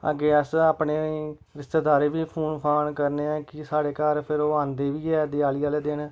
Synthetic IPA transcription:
ə̰ɡeːəsaːpɳeː | ɾɪst̪eːd̪aːɾeːʋiːpʰoːnpʰaːnkəɾneːɛ̃ːkɪsaːɽeːkaːɾpʰɪɾoːãːnd̪eːʋiːɛːd̪ɪaːliːaːleːd̪ɪɳ

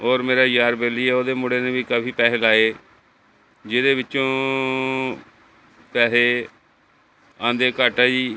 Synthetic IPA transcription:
ɔːɾmeːɾaːjaːɾbeːliːɛːoːd̪eːmʊɽeːnẽːbiːkəbʱiːpɛːeːlaːeː | d͡ʒɪd̪eːʋɪt͡ʃõː | pɛːseː | ãːnd̪eːkaːʈaːd͡ʒiː

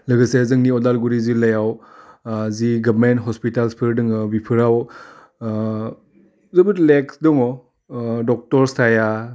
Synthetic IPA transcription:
lɯɡəsezɯŋniɔdalɡuɾizilɐjaw | ziɡɐbmentɦɔspitalspʰɯɾdɯŋɯbipʰɯɾaw | zɯbɯtleksdɔŋɔ | dɔk̚tɔɾstʰaja

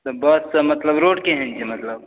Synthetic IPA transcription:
t̪obɐsɐmɐt̪lɐbɾoːʈkeɦẽnd͡ʒimɐt̪lɐb

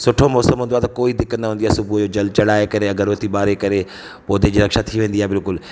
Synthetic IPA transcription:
sʊʈʰomɔːsəmɦũnd̪oaːt̪ɐkoːid̪ɪkə̃nd̪ɐɦnd̪iaːsʊbʱud͡ʑod͡ʑɐlt͡ɕɐɽaːekɐɾeɐɡʱəɾot̪ʰiɓaːɾekɐɾe | poːd̪ed͡ʑiːɾɐkʃat̪ʰiʋẽːn̆d̪iaːɦebɪlkʊl

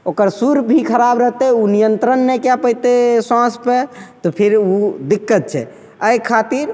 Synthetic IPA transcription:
okəɾsuɾbʱikʰəɾabɾəɦt̪ɛunijənt̪ɾənːɛkjapəit̪esãspet̪ɔpʰiɾud̪ikːət̪̚t͡ʃʰɛ̰ | əjkʰːat̪iɾ

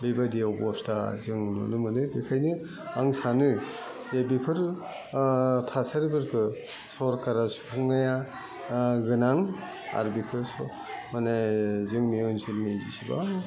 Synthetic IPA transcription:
bebadiɔbɔstazɯŋnṵnumɯnɯjbikʰajnɯ | aŋsanɯj | jabipʰɯɾ | tʰasʰaɾibɯɾkʰɯ | sɔɾkaɾasu̥pʰuŋnaja | ɡɯnaŋ | a̰ɾbikʰɯɾsɔ | manazɯŋmeonsʰilmezisiba̰

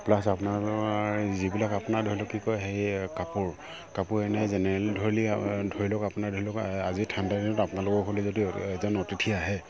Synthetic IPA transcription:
plasapuna | zibilakapʊnadʱoɹilɔkːikɔjɦejkapʊɹ | kapʊɹɛnɛzɛnɛɹɛldʱoɹilidʱoɹilɔkapunadʱoɹilɔkazitʰandadinʊtapʊnalʊkɔɦolɛzodiɛzɔnɔtitʰiaɦɛ

